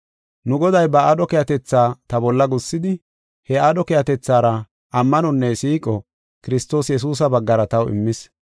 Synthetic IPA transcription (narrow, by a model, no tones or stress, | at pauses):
nʊɡɔd̪ɐjbɐaːd̪ɔkɛjɐt̪ɛt͡sːaːt̪ɐbɔlːɐɡʊsːɪd̪ɪ | hɛaːd̪ɔkɛjɐt̪ɛt͡sːaːɾɐ | ʔɐmːɐnɔnːɛsiːkʼɔ | kɪɾɪst̪o̞ːsjɛs̬uːs̬ɐbɐɡːɐɾɐt̪ɐwɪ̰mːɪs